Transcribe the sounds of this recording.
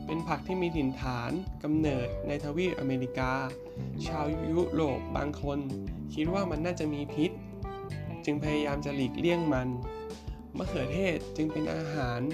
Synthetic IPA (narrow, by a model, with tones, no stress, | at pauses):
pe˧npʰa˨˩k̚t̪ʰiː˥˩miː˧t̪ʰi˨˩nt̪ʰaː˩˦nka˧mnɤː˨˩t̪̚na˧jt̪ʰaː˧wiː˥˩t̚ʔa̰ː˧meː˧li˦˧˥kaː˧ | t͡ɕʰaː˧wju˦˥ɾoː˨˩p̚ba̰ː˧ŋkʰo˧nkʰi˦˥t̪̚waː˥˩ma˧nːaː˥˩t͡ɕa˨˩miː˧pʰi˦˥t̪̚ | t͡ɕɯ˧ŋpʰa˧jaː˧jaː˧mt͡ɕa˨˩liː˨˩k̚li˥˩əŋma˧n | ma˦˥˩kʰɯː˨˩˦t̪ʰeː˥˩t̪̚t͡ɕɯ˧ŋpe˧nʔa̰ː˧ɦaː˩˦n